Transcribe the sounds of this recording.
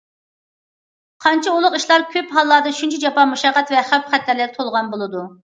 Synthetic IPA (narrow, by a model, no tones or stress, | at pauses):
qʰɑnt͡ʃʰiolˠʊqiʃlˠɑɾkʲʰøpɦɑlˠːɑd̪ɑʃunt͡ʃʰid͡ʒɑpɑmuʃɑqːɑt̪vɛχæpχæt̪lɪɾlɪɾt̪ʰolˠʁɑnbolˠɨd̪u